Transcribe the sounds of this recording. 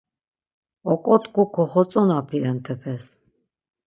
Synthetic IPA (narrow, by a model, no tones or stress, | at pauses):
ɔkʼɔt̪kukʰɔχɔt͡sʼɔnapʰiɾɛnt̪ʰɛpʰɛs